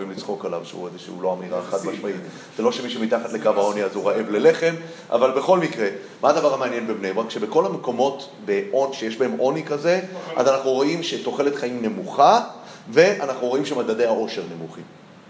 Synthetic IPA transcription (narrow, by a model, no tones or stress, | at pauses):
vimlit͡sχo̞kalavʃeṵezeʃḭːlo̞amiʁaeχat̚baʃmait | z̥elo̞ʃe̞miʃemitaχat̪le̞kavao̞niazuʁaʔe̞vle̞leχe̞m | ʔa̰valbe̞χo̞lmikʁe̞ | maːd̪avaʁhameanje̞nbebnejumʁakʃe̞beko̞lameko̞mo̞t | be̞ʔonʃejeʃbae̞mʔo̞nikaze̞ʔa̰zanaχnuʁo̞ʔimʃeto̞χe̞let̪χaimne̞muχa | ve̞ʔanaχnuʁo̞imʃemadade̞jhao̞ʃe̞ʁne̞muχi